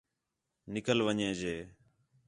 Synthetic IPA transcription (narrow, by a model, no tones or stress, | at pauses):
nɪkəlʋəɲẽːd͡ʒeː